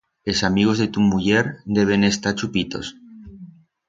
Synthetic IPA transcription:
esamiɣozðet̪umuʝeɾd̪eβ̞enest̪aɾt͡ʃupit̪o̰s

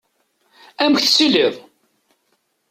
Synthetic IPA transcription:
æməçθsileðˤ

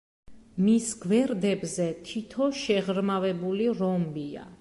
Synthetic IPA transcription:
misɡvɛɾd̪ɛbzɛt̪ʰit̪ʰɔʃɛʁɾmavɛbuliɾɔmbia̰

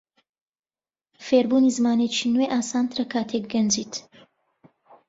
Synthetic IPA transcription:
feːɾbuːnizɨmaːnet͡ʃʰinweʔaːsaːnt̪ʰɾɐkʰaːt̪ʰek̚ɡɐnd͡ʒiːt̪

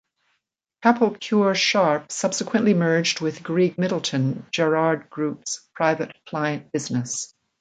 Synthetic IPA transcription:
kʰæpʰl̩ˠkʰj̥uɹʃɑɹpsʌb̥sɨkʰwɨ̃nʔlimɜ˞d͡ʒd̚wɪðɡɹiɡ̚mɪɾl̩ˠtʰɨ̃nd͡ʒɛɹɑɹd̚ɡɹupspʰɹ̥aɪvɨt̚kʰl̥aɪɨ̃nb̥ɪznɨs

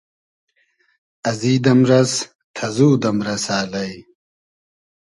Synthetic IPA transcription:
ɐziːd̪ɐmɾɐs | t̪ʰɐzuːd̪ɐmɾɐsaːlɐj

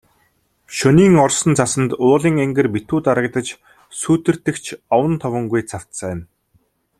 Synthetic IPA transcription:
ʃɵniːŋɔrsə̆nt͡sʰasə̆nt̪ʊːɮiːŋeŋɡɘ̆rpit̪uːt̪aɾə̆k̚t̪ə̆t͡ɕ | suːt̪ɘ̆r̥t̪ɘ̆kt͡ɕʰɔwə̆nt̪ʰɔwə̆ŋɡujt͡sʰaw̥t̪sæːn

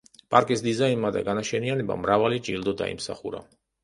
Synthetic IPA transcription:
pʼaɾkʼisd̪izainmad̪a̰ɡanaʃɛnianɛba̰mɾavalid͡ʒʼild̪ɔd̪a̰ḭmsa̰χuɾa̰

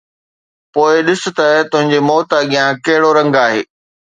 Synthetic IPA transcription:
poːɪɗɪsʊ̆t̪ɐt̪ʊ̃ɦɪ̃ɲd͡ʑemɔːt̪aɡijãkɐɦɪɽoɾɐ̃ŋɡaːɦeː

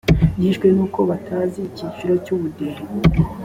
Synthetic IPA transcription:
jiːʃɡwe̞nuːko̞βatʰaːzicit͡ʃiɾo̞cuβudeɾe

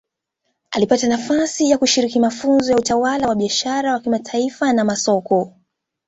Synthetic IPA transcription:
ʔalipatanafasijakuʃiɾikimafunzɔjautawalawaɓiaʃaɾawakimatʰaifanamasɔkɔ

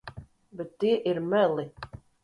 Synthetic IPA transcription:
bɛt̪ːiɛʔiɾmɛlˠi

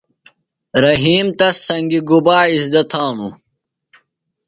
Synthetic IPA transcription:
ɾɐɦiːmt̪ɐsɐŋɡiɡubaːisd̪ɐt̪ʰaːnu

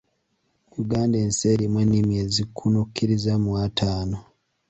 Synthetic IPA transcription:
juɡaːndeːnseɾimwenimiezikʰunukʰːiɾizamuwatʰaːno

